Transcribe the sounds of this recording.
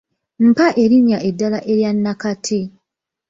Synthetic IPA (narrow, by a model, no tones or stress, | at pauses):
m̩paʔe̞ɾiɲaʔedːalaʔe̞ɾjanːakatʰi